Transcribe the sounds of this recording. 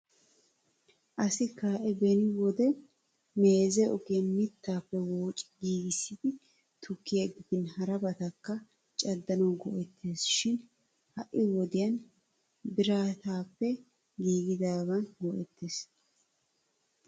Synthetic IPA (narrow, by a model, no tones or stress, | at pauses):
ʔɐsɪkaːʔɛbɛnɪwɔd̪ɛ | me̞ːzɛɔkenmɪt̪ːaːpːɛwoːt͡ʃʼɪ̥ɡiːɡɪsːɪd̪ɪ | t̪ʰʊkːɪjɐɡɪd̪ɪnhɐɾɐbɐt̪ɐkːɐ | t͡ʃʼɐd̪ːɐnɐɡɔʔɛt̪ʰːe̞ːsʃɪn | hɐʔɪwɔd̪ɪjɐn | bɪɾaːt̪aːpːɛ | ɡiːɡɪd̪aːɡɐnɡɔʔɛt̪ʰːe̞ːs